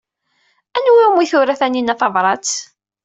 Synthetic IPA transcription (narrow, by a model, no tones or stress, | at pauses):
ænwiumiθʊɾæθæninæθɑvɾˤɑt͡s